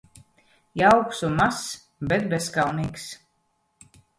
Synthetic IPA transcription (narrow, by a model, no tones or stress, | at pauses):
jawksumas | bɛt̪̚bɛskawniːks